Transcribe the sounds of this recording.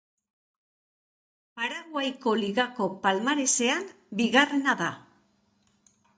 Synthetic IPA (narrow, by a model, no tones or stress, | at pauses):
paɾaɣwajko̞liɣako̞palmaɾe̞se̞an | biɣarenaða